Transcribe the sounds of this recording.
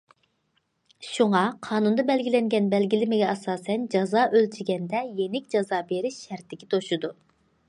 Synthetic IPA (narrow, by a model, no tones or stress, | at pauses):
ʃuŋɑqʰɑːnund̪ɑbɛlɡʲilɛŋɡʲɛnbɛlɡʲilɪmɪɡʲɛɑsɑːsɛnd͡ʒɑzɑːʔølt̪ʰyɾɡʲɛnd̪ɛjenɪkʲd͡ʒɑzɑːbeɾiʃːæɾt̪ːɪkʲi̥t̪ʰoʃud̪u